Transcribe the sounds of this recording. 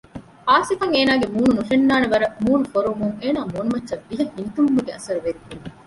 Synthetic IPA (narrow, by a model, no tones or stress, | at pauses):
ʔaːsifɐŋeːnaːɡemuːnunuʃenːaːneʋɐɾɐmuːnufoɾumuŋeːnaːmuːnumɐtːʃɐbːiɦɐhint̪umbuɡeɐsɐɾuʋed̪u